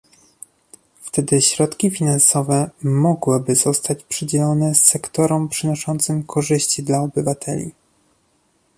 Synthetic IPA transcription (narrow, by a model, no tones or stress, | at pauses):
ft̪ɛd̪ɘɕɾɔt̪kʲifʲinansɔvɛmɔɡwɘbɘzɔst̪at͡ɕpʂɘd͡ʑɛlɔnɛsːɛkt̪ɔɾɔmpʂɘnɔʂɔnt̪sɘmkʰɔʐɘɕt͡ɕid̪laɔbɘvat̪ʰɛlʲḭ